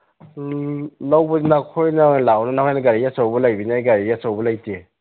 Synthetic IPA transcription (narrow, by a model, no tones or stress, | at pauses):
lawbɐnakʰojnajnlawnɐnakʰajnɐɡaɾijasawbɐlajbinajɡaɾijasawbɐlajte